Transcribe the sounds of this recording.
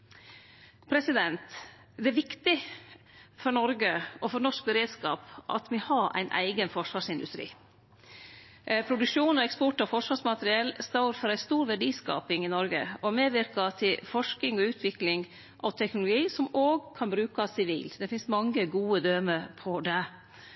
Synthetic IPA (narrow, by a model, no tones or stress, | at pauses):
pʰɾɛsɪd̪ɛnt̪ | d̪ɛæʋɪkt̪ɪ | fɔɾɳɔɾɡəʔɔfɔɾnɔʂk̚bəɾeːd̪skɑ̰ːpʔɑ̰t̪mɪhɑɾæ̰ɪnʔæ̰ɪɡənfɔʂʋɑːʂɪnd̪ʉst̪ɾḭː | pʰɾʊd̪ʉkʂuːnɔɛkspɔʈɔfɔʂʋɑːʂmɑt̪əɾɪɛlːst̪ɑːɾfɔɾæɪst̪uːɾʋæɖiːskɑ̰ːpɪŋɪnɔɾɡəɔmeːʋɪɾkɑt̪ʰɪlfɔʂkɪŋɔʉːt̪ʰʋɪklɪŋ | ʔɑʋt̪ʰɛknʊlʊɡiːsɔmoːɡkʰɑnbɾʉːkɑsɪʋḭːld̪ɛfɪnsmɑŋːəɡuːəd̪øːməpʰɔd̪ɛ